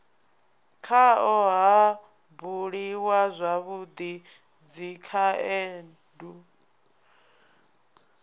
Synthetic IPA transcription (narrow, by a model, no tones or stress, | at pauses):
kʰaɔɦa | buɺiwazʷaβud̪i | d͡zikʰaeːn | du